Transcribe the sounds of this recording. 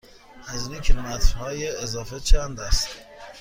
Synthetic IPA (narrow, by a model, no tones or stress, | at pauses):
ʔæzninkʲʰelomæt̪ʰhɒːjeːzɒːfet͡ʃʰænd̪æst̪